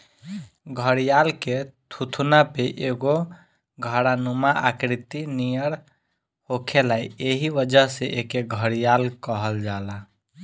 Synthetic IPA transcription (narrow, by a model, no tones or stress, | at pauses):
ɡʱəɽjalket̪ʰut̪ʰunapeʔeɡo | ɡʱəɽanumaʔakɾit̪inijəɽ | hokʰelaieɦiʋəd͡ʒəɦseʔekeɡʱəɽijalkəɦəld͡ʒala